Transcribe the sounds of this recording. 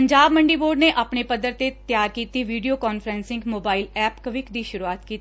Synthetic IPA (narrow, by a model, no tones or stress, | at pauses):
əɲd͡ʒaːbməɳɖiːboːɖneʔaːpɳepəd̪əɾt̪et̪jaːɾkiːt̪iʋiːɖijoːkɔːnfʰəɾɛ̃ːnsɪ̃ŋɡmoːbaːɪlɛːpkəʋɪkd̪iːʃʊɾuaːt̪kiːt̪